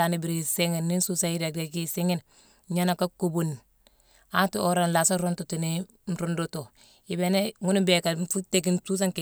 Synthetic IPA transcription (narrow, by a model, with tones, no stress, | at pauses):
a˨ni˨bi˨ɾi˨si˦ŋi˨nːi˦n˦su˦sa˦i˦da˨de˨ki˦si˦ŋi˦n | ɲa˦na˨ka˦ku˦bu˨n | a˦tu˦o˦ɾa˨nla˨sa˦ɾo˦ntu˨ti˨ni˦ | n̩˨ɾo˦ndo˦to˨ | i˨be˦ne˦ŋu˦ni˦be˨ka˨fu˦te˨k̬i˦nsu˦s̬a˦ŋk